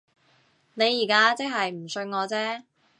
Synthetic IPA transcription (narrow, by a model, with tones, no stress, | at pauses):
ne˨˧jːiː˨˩kaː˥t͡sɪ˥k̚ɦɐ˨jm̩˨˩sɵ˧ɥŋɔː˨˧t͡sɛː˥